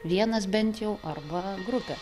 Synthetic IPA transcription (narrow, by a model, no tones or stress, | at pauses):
ʋʲiɛnɐs̬bʲɛnʲt̪jɛʊʔɐrbɐɡɾʊpʲɛ